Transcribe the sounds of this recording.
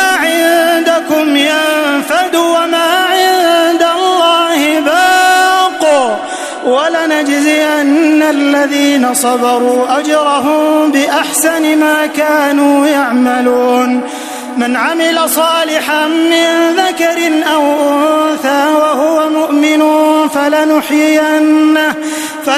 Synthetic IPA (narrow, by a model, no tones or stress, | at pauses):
aʕɪnd̪akʊmjamfad̪uwamaːʕɪnd̪alːɑːhɪbaːquː | walanad͡ʒzɪʔanːalːaðiːnasˤɑbɑɾˤuːʔad͡ʒɾˤɑɦʊmbɪʔaħsanɪmaːkaːnuːjaʕmaluːn | manʕamɪlasˤɑːlɪħamɪnðakɑɾɪnʔawʔʊnθaːwahʊwamʊʔmɪnʊːfalanʊħjɪjanːah | fa